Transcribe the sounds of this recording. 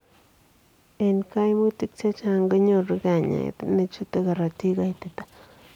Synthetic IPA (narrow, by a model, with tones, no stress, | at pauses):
e˧nka˦jmu˦t̪i˦k̚t͡ʃa˦t͡ʃa˦ŋɡa˦ɲo˧ɾɡa˨ɲa̰˨t̪ne˧t͡ʃu˦t̪a˧ɡa˨ɾa˨t̪i˦ɡa˦jt̪e˨t̪ḁ˦